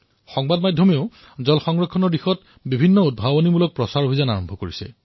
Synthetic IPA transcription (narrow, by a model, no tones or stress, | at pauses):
xɔŋbadmadʱjɔmeo | zɔlxɔŋɹɔkʰːɔnɔɹdixɔt | bibʱinːɔud̚bʱabɔnimulɔk̚pɹɔsaɹobʱizanaɹɔmbʱɔkoɹisɛ̰